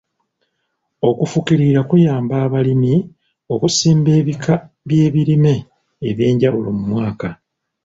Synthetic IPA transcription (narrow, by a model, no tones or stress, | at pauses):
o̞kufukiɾiɾakujaːmbaːβalimi | o̞kusiːmbe̞ːβikʰa | βje̞ːβiɾime̞ː | βje̞ːɲɟawulo̞̰mumwaːka